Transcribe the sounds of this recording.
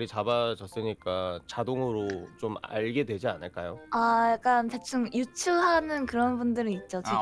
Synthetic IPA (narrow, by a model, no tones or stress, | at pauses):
ɾit͡ɕabad͡ʑʌs͈ɯɲik͈at͡ɕadoŋɯɾot͡ɕoma̰ɭɡe̞dwe̞d͡ʑianɯɭk͈a̰joajak͈antet͡ɕʰɯŋjut͡ɕʰɯɦanɯnkɯɾʌnbundɯɾinit̚t͡ɕ͈ot͡ɕ